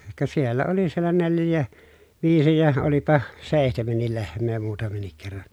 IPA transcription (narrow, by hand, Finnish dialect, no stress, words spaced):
kɑ sielːæ oli sielːæ neljˑæː ʋiːsi jɑ olipɑ seˑihtemenːil lehmˑeː muːtɑmenːik kerːɑn̞